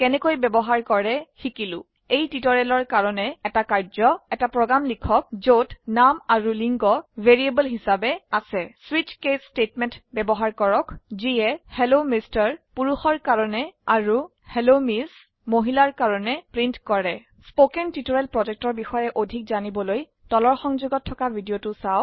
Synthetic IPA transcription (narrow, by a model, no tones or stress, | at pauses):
kɛnɛkojbɛbɔɦaɹkɔɹɛxikilʊ̰̃ | ejtitɔɹɛlɔɹkaɹɔnɛɛtakaɹzɔɛtapɹɔɡɹamlikʰɔk̚zotnamaɹuliŋɡɔvʱeɹiebəlɦisabɛasɛswit͡ʃkesstetmɛntbɛbɔɦaɹkɔɹɔkziɛhelomistaɹpuɹuxɔɹkaɹɔnɛaɹu | helomis | moɦilaɹkaɹɔnɛpɹintkɔɹɛ | spokɛntitɔɹɛlpɹɔzɛk̚tɔɹbixɔjɛʔodʱik̚zanibɔloj | tɔlɔɹxɔŋzuɡɔtʰːɔkabʱidiotʊsaw